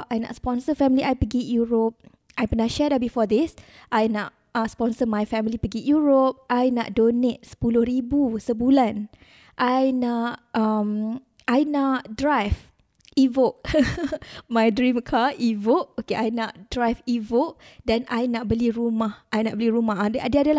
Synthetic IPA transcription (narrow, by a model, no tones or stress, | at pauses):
ʔajna̰ʔspɔ̃nsəfɛmiliʔajpəɡijuɹop̚ | ajpənaʃɛdabifɔd̪isʔajnaʔ̚ | ãspɔ̃nsəmajfɛmilipəɡijuɹop̚ʔajna̰ʔ̚donet̚sə̥pulʊhɾibusəbulãn | ʔajnaʔam | ajnaʔdɹajv | ivok̚ | mãjdɹĩmkʰaʔivoʔ̚okeʔajnaʔ̚dɹajfivok̚dɛnajnaʔ̚bəliɾumahajnaʔ̚bəliɾumaɦadadiadala